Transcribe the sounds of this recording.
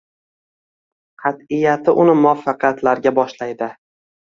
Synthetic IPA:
qʰɑt̪ɪjat̪ʰɪʔʊnɪmʊafːɑqʰjat̪laɾɡʲabɒʃlajd̪ɪ

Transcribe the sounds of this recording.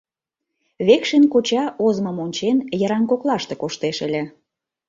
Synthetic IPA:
βekʃenkot͡ɕɑʔozməmonʲt͡ɕenjəɾɑŋkoklˠɑʃt̪ekoʃt̪eʃə̆lʲĕ

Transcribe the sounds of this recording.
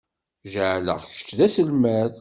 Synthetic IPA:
ʒəʕlə̰ʁçə̥t͡sːðæsəlmæð

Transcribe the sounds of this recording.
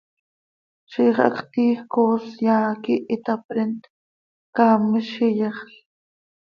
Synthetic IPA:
ʃiːχɑ̰kt̪iːxkoːsjaːkiʔit̪apɾent̪ | kaːmiʃijeχɬ

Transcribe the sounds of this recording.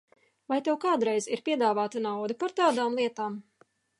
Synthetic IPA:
vajt̪ɛwkaːd̪ɾɛjziɾpʲiɛd̪aːvaːt̪anawd̪ipaɾt̪aːd̪aːmlˠiɛt̪aːm

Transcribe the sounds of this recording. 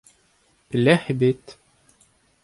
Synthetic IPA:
b̥ɘ̆læhɘbɘt̪

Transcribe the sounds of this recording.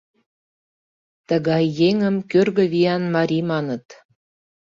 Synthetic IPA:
t̪ə̆ɣɑjːeŋə̆mkørɣə̆βijɑnmɑɾʲimɑnə̆t̪

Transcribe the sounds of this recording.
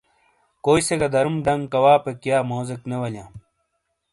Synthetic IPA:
koːiseɡɐd̪ɐɾumɖɐŋɡkɐwaːpekjaːmoːzeknewɐljãː

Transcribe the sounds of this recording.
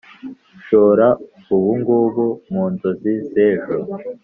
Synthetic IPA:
ʃoːɾa | uβuŋɡuːβumuːnzoziseːʒo

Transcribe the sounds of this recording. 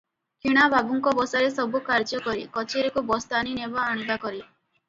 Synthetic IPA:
kʰiɽ̃ababuŋkɔbɔsaɾesɔbukaɾd͡ʒɔkɔɾikɔt͡ʃʰeɾekubɔst̪aninebɔːɽ̃ibakɔɾi

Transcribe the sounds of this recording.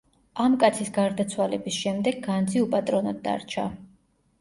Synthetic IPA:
amkʼat̪sʰisɡaɾd̪at̪sʰwalɛ̰bisʃɛmd̪ɛɡːand̪zʰiupʼat̪ʼɾɔnɔd̪ːa̰ɾt͡ʃʰa̰

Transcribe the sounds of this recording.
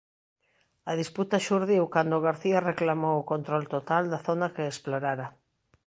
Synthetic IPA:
aðisput̪aʃuɾðiwkand̪oɣaɾθiareklamowʊkont̪ɾolt̪ot̪ald̪aθonakeːsploɾaɾa

